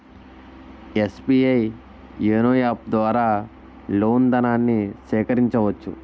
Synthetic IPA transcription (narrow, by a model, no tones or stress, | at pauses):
espiːɐj | eːnojaːp̚d̪ʋaːɾaː | loːnd̪ɐnaːnːiʃɛːkɐɾiɲt͡ʃɐʋɐt͡ʃːṵ